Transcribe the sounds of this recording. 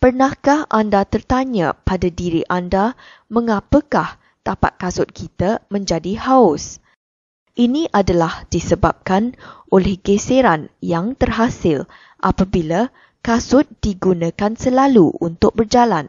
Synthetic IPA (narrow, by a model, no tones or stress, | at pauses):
pərnahkahʔa̰ndat̪ərt̪aɲã̰padadiɾiʔanda | mə̃ŋapəkah | t̪apa̰t̪̚kasʊt̪̚kʰit̪amə̃ɲd͡ʒadihaʊs | ʔinĩʔadalahd̥isəbap̚kanʔolɛhɡeseɾanjaŋt̪ərɦasɪl | ʔa̰pabila | kasʊt̪̚d̥iɡunãkansəlaluṵnt̪ʊk̚bərd͡ʒalan